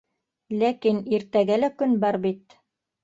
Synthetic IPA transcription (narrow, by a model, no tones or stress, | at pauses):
lækiniɾt̪æɡælækɵnbɑɾbit̪